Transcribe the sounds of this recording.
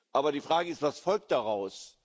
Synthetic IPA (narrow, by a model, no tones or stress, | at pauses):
ʔaːbɐdiːfʁ̥aːɡəɪstv̥asfɔlk̚t̚d̥aʁaʊs